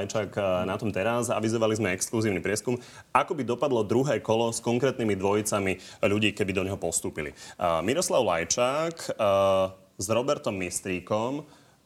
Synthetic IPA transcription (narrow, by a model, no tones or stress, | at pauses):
jt͡ʃaknat̪ɔmt̪ɛɾaza̰ʋizɔʋalizmɛɛkskluziːʊnipɾɪɛskum | akɔbid̪ɔpad̪lɔd̪ɾuɦɛːkɔlɔskɔŋkɾɛːt̪nimid̪ʋɔjit͡samiʎuɟiːkɛbid̪ɔɲɦɔpɔst̪uːpilḭmiɾɔslaʊla̰jt͡ʃaːk | zɾɔbɛɾt̪ɔmːist̪ɾiːkɔm